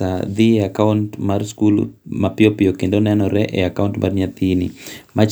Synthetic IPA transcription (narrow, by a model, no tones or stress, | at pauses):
ad̪ieakauntmarskulṵmapɪopɪokendonɛnɔɾɛʔeakauntmʔa̰rɲat̪inimat͡ʃ